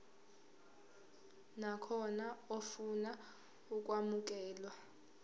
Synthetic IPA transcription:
nakʰɔnaofuna | uk̬ʼwamuk̬ʼɛːlwa

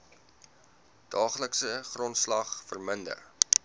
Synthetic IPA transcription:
d̥ɑːχləksəχrɔntslɐχfərməndə̰r

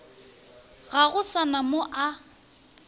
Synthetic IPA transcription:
ɣaɣʊsanamoʔa

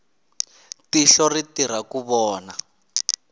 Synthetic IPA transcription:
tiɬɔritiɾ̤akuβɔːna

